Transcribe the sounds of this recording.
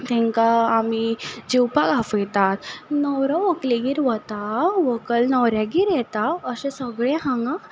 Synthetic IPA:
t̪ɛ̃ŋkaːmid͡ʑiwpaɡafəjt̪at̪nəwɾɔʋəkleɡiɾʋət̪aʋəkəlnəwɾjaɡiɾjɛt̪aəsẽsəɡɭɛ̃ɦãŋɡã

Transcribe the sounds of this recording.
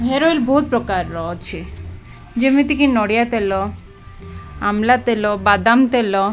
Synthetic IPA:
ɦeɾoilboɦut̪̚pɾokaɾːɔot͡ɕʰi | d͡ʑemit̪ikinɔɽijat̪elo | a̰mlat̪elobad̪amt̪elo

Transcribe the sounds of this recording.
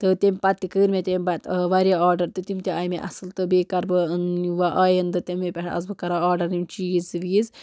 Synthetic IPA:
t̪ɨt̪ʲemʲpɐt̪ːikɨːɾmʲet̪ʲemʲbɐt̪ʋaːɾʲjaaːɾɖɐɾt̪ɨt̪imʲt̪ʲeɐːjmeʔɐ̰sɨlt̪ɨbeːkɐɾbɨɨnʋaʔɐːjɐnd̪ɨt̪ʲɐmʲːepʲɛʈɐ̰zbɨkɐɾaaːɾɖɐɾnimʲt͡ʃiːzʋiːz

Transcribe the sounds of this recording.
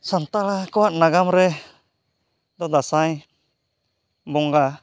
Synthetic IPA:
sant̪alakowaʔ̪̚naɡamɾɛ | d̪ɔd̪asai | bɔŋɡa

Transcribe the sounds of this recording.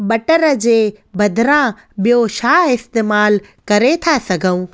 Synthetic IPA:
ɓɐʈəɾəd͡ʑeː | bɐd̪ʱɪɾã | ɓijoʃaːɪst̪eːmaːl | kɐɾet̪ʰasɐɡʱəũː

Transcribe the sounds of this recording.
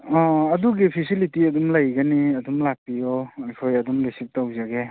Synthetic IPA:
ɔɐduɡipʰisilitiɐdumlajɡaniɐdumlak̚pijɔːjkʰojɐdumlisip̚tawzaɡe

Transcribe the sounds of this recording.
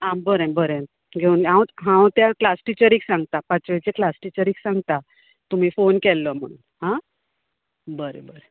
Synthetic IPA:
ɦãbəɾẽmbəɾẽm | ɡʱeuːnãwɦãwt̪jaklasʈit͡ɕəɾiːksãŋɡ̚t̪apat͡sʋet͡seklasʈit͡ɕəɾiːksãŋɡt̪a | t̪um̤iːfonkɛlːəm̤ə̰ɽ̃ṵnɦã | bəɾḛbəɾe

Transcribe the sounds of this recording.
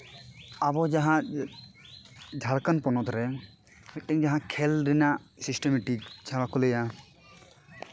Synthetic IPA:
abɔd͡ʒaɦã | d͡ʒʱalkanpɔnɔt̪ɾɛ | fʰit̚ʈɛŋd͡ʒaɦãkʰɛlɾinaʔ | sisʈɛmɛʈik̚t͡ʃʰabakulɛja

